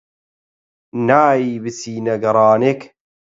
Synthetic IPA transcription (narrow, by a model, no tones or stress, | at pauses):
naːjiːbɨsiːnɐɡɐɾˤɑːnek